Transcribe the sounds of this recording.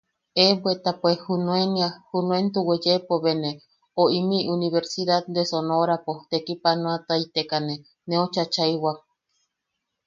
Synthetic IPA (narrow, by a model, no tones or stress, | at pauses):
ebwet̪apwehunũeniahunwent̪uwed͡ʒepoβene | oimiʔuniβeɾsiðat̪d̪esonoɾapot̪ekipanõat̪ait̪ekane | nẽot͡ʃat͡ʃajwak̚